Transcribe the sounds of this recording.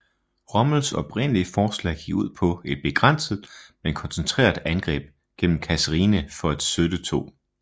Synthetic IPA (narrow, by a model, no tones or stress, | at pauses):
ʁɒ̽ml̩sɒ̽b̥ʁen̰əliəfɒːslɛ̰ɪ̰ɡ̥iɡ̥uð̞̰ˠpʰɒ̽e̝d̥̚b̥e̝ɡ̥ʁan̰səð̩ˠmenkʰɒ̽nsent͡sʰʁḛːɐðˠænɡ̥ʁɛ̰ːb̥ | ɡ̥en̰m̩kʰæsəʁiːnəfɒ̽ed̥sød̥ət͡sʰo̝̰ː